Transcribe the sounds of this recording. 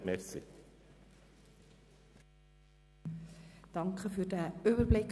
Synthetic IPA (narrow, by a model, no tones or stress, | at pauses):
mɛɾsɪ̰ | d̪̥ɑŋkʰəfødæːøːbəɾblɪk